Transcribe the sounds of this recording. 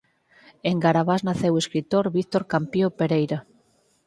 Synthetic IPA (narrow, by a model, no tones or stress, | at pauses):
eŋɡaɾaβaznaθeweskɾit̪oɾβikt̪oɾkampjopeɾejɾa